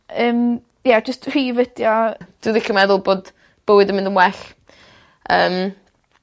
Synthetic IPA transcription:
əːm | jad͡ʒəstr̥iːvəd̥jɔd̥uðɪkʰəmɛðʊlˠboːd | b̥əwɪdəmɪ̃ndəmwɛɬ | əːm

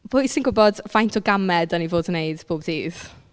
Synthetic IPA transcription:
voisɪ̃ŋɡəbɔdvajntʰɔɡamɛdənivoːdənejd̥b̥oːbdiːz̥

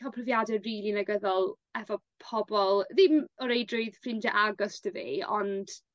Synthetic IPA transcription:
ɔpʰrəvjadɛriːlˠinaɡəðɔlˠ | ɛvɔpʰɔbɔlˠðɪmɔɾejdrʊɨðfrɪndaʔaɡɔstʰəvḭːɔ̰nd̥

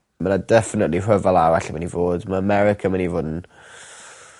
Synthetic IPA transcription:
manadɛfɪnətlir̥əvalˠawaɬimanivoːdmaəmɛɾɪkʰamanivoːdn̩

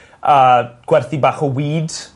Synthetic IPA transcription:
əːɡ̥wɛrθibaːχɔwiːd

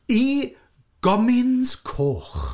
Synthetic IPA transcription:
i | ɡ̥ɔmɪnskʰoːχ

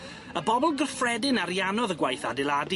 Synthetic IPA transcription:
əbɔbɔlˠɡərfrɛdɪnaɾjanɔðəɡwajθadɪlˠad

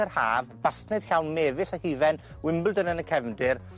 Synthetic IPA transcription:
ərhaːvb̥astnɨd̥ɬawnmɛːvɪsahiːvɛn | wɪmblˠdənənəkʰɛvdɪr

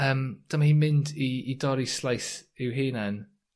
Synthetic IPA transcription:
əːmd̥əmahiːmɪndiːdɔɾislˠajsɪwɦiːnɛn

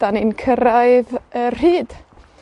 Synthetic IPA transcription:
d̥aninkʰəɾaɨðərhiːd̥

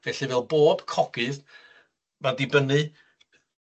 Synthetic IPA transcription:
vɛɬɨvɛːlˠboːb̥kʰɔɡ̥ɨð | madɪbənɨ

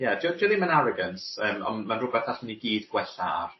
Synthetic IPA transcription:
jɛdɪdɪlˠimanaɾɔɡəntəːmɔ̰nmanrʊbɛθaɬməniɡiːdɡwɛɬa̰r

